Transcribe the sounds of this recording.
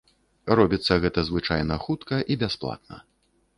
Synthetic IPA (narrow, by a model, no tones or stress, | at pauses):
rɔbʲit̪sːɐɣɛt̪ɐzvɨt͡ʂajnɐxut̪kɐʔibʲasplˠa̰t̪̚nɐ̰